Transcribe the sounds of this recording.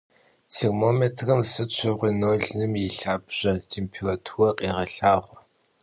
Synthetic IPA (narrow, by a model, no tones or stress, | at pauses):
tʰermomeːtʰrɐmsɨt͡ʃʷʰɨʁʷinoːɮnɨmjiɬaːbʑ̥ɐtʰeːmpʰerotʰurɐqʼeːʁɐɬaːʁʷ